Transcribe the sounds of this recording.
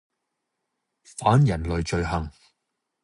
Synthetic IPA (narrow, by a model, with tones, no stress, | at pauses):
faː˨˥njɐ˨˩nlɵ˨˧ɥt͡ʃɵ˧ɥɦɐ˨˩ŋ